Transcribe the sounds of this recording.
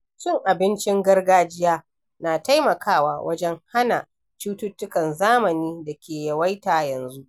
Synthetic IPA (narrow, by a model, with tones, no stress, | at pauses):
t͡ʃɪ˦ŋʔa˨bɪ˦nt͡ʃɪ˦ŋɡɐ˦rɡaː˦d͡ʒɪ˦jaː˦ | naː˨ta˦jmɐ˨kʰaː˦˨waː˨wɐ˦d͡ʒɛ˦ŋha˦na˨ | t͡ʃuː˦tʊ˦tːʊ˦kɐ˨nzaː˦mɐ˨niː˦dɐ˨kʲeː˨jɐ˨wa˦jtaː˨jɐ˨nzu˦ʔ